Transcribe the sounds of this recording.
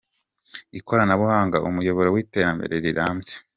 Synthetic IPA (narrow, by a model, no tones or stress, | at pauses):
iko̞ɾanaβuhaːŋɡaʔṵmujo̞βo̞ɾowiːte̞ːɾambe̞̰ɾe̞ɾiɾaːmze̥